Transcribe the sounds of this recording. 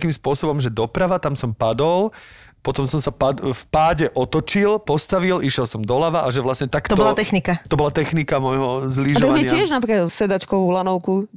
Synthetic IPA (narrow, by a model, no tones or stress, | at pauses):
kiːmspʊɔsɔbɔmʒɛd̪ɔpɾaʋat̪amsɔmpad̪ɔl | pɔt̪ɔmsɔmsapafpaːɟɛʔɔt̪ɔt͡ʃilpɔst̪aʋiliʃjɛlˠsɔmd̪ɔlaʋaʔaʒɛʋlasɲɛt̪akt̪ɔɔlat̪ɛxnikat̪ɔbɔlat̪ɛxnikamɔjɦɔzliʒamɛɪaɪɛʒnapɾikasɛd̪at͡ʃkɔʋulanɔʊku